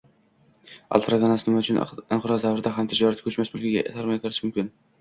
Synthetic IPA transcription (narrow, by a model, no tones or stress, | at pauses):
a̰lˠt̪ɾaɡanasɪnɪmaʊt͡ʃʰʊnɪnqʰʊɾɒzd̪avɾɪd̪aɦamt̪ʰɪd͡ʒɒɾat̪kʲʰɵt͡ʃmasbʊlɡʲɪɡʲa̰saɾmajkʰoɾɪ̥ʃmʊmkʲɪn